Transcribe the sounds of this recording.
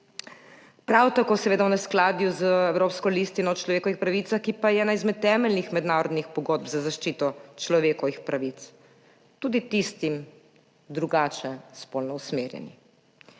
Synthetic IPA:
pɾawt̪akoːsɛʋeːd̪awnɛsklaːd̪juzəɛwɾoːpskɔlist̪inɔt͡ʃlɔʋeːkɔʋixpɾaʋiːt̪saxkipajɛɛnaizmɛt̪ːɛːmɛlnixmɛd̪naːɾɔd̪nixpɔɡoːd̪̚bzazaʃt͡ʃiːt̪ɔt͡ʃlɔʋeːkɔʋixpɾaʋit̪s | t̪uːd̪it̪ist̪im | d̪ɾuɡaːt͡ʃɛspolnɔusmeːɾjɛ̰ni

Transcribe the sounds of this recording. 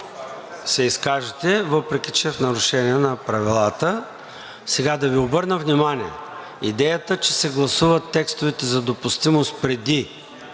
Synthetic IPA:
sɛiskaʒɛt̪ɛvɤpɾɛkʲit͡ʃɛfnɐɾʊʃɛniɛnɐpɾɐvilˠat̪ə | sɛɡad̪ɐviobɤɾnəvnimaniɛ̰ | ḭd̪ɛjət̪ət͡ʃɛsɛɡlˠɐsuvət̪ːɛkst̪ʊvɛt̪ɛzɐd̪opʊst̪imost̪̚pɾɛd̪i

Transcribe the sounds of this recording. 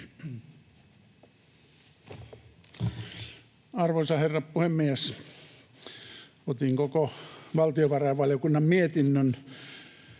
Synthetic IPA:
ɑrʋoisɑherːɑppuhemːies | ot̪iŋkokoʋɑlt̪ioʋɑrɑʋʋɑljokunːɑmmiet̪inːøn

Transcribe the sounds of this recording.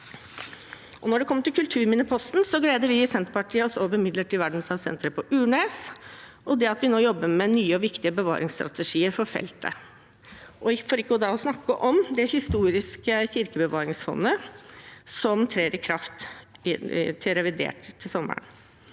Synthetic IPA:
ʔɔnɔɖɛkʰɔmːəʈ̪ɪlkʰʉlt̪ʰʉːɾmɪnəpʰɔst̪nsɔɡleːd̪əɾʋɪɪsɛnt̪pɑʈʰiːəɔsoːʋəɾmɪd̪ləʈɪʋæɖɳ̩sɑʋsɛ̰nt̪ɾəpʰɔʔʉːɳeːs | ɔd̪ɛɑt̪ʋɪnoːjɔbːəmɛnyːəɔʋɪkt̪ɪəbəʋɑ̰ːɾʔɪŋst̪ɾɑ̰t̪ɛʂiːəɾfɔɾfɛ̰lt̪ə̰ | ʔɔfoːɾɪkːəɔd̪ɑːɔsnɑkːəʔɔmd̪ɛhɪst̪uːɾɪskəçɪɾkəbəʋɑːɾɪŋsfɔ̰nːə | sɔmt̪ʰɾeːɾɪkʰɾɑft̪ | t̪ʰɪlɾɛʋɪd̪ḛːʈt̪ʰːɪlsɔmːə̰ɳ

